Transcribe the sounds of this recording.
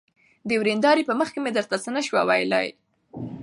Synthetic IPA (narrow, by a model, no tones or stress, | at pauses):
d̪əwɾend̪ɑɾipəməxkemed̪əɾt̪at͡sənəʃwawajlɑ̰j